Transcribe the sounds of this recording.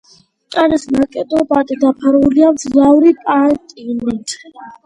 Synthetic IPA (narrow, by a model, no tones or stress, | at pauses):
kʼaɾisnakʼɛd̪ɔbad̪ɛd̪apʰaɾuliamd̪zlaɾipʼat̪ʼinit̪ʰ